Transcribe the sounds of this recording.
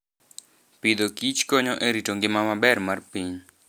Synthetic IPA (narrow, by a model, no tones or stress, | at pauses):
pid̪okit͡ʃkoɲɔʔeɾitoŋɡɪmamabɛrmarpiɲ